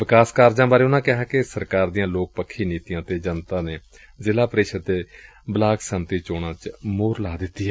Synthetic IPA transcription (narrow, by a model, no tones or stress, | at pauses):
ʋɪkaːskaːɾd͡ʒãːbaːɾeːʊnãːkɛɦɛːkɪsəɾkaːɾd̪ijãːloːk̚pəkʰːiːniːt̪ijãːt̪eːd͡ʒənt̪ãːneː | zɪlaːpɾeːʃəd̪d̪eː | blaːksəmt̪iːt͡ʃoːɽãːt͡ʃmoːɾlaːd̪ɪt̪ːiːɦɛː